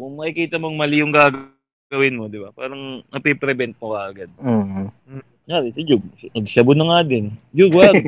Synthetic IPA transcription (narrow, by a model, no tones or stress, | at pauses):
kʊŋmɐkɪkiːt̪ɐmoŋmɐlijʊŋɡaːɡ | ɡɐwɪnmo̞d̪ɪbapaːɾɐŋnɐpɛpɾɛbɛnt̪̚mokɐʔɐɡad̪̚o | jaɾɛsɪd͡ʒʊɡ̚nɐɡsɐbʊnɐŋad̪ɛnd͡ʒʊɡwa